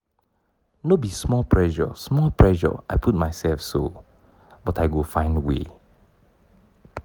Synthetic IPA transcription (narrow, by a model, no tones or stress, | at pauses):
nobismɔlpʰɹɛʒə̰smɔlpʰɹɛʒə̰a̰jpʰut̚majsɛlfso | bɔtajɡofãɪ̃ndwḛ